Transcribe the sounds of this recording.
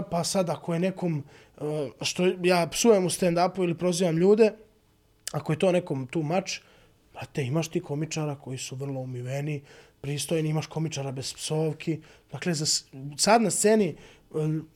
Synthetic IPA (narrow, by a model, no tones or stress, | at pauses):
pasad̪ako̞jene̞ko̞m | ʃt̪ojaːpsujemust̪end̪apuilipɾo̞ziːʋamʎuːd̪e̞ | ako̞je̞t̪oːne̞ko̞mt̪uːmat͡ʃ | pat̪eimaʃt̪iːko̞mit͡ʃaɾakʰo̞jisuʋr̩lˠo̞umiʋe̞nipɾiːst̪ojniimaʃko̞mit͡ʃaɾabe̞z̥psoːʋkʰid̪akle̞zassad̪nast̪seːni